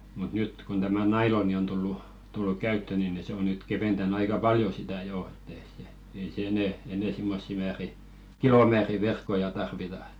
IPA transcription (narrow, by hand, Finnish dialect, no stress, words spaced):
mut nyt kon tæmæ nɑiloni on tulːu tulːuk kæytːø ni ni se o nyt keʋentænː ɑikɑ pɑljo sitæˑ joˑ etˑ ei se ei se enɛˑ eneˑ simːosːi mæːri kilomæːri ʋerkːojɑ tɑrʋitɑ e̥t